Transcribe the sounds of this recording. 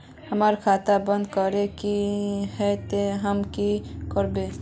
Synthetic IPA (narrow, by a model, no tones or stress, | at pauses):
həmaɾkʰat̪abə̃nd̪kəɾekihɛt̪eɦəmkikəɾbe